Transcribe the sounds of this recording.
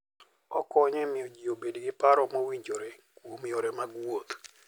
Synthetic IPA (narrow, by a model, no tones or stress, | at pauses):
ɔkɔɲɛmɪod͡ʒiobediɡɪpaɾɔmowiɲd͡ʒoɾe | womioɾɛmaɡwot̪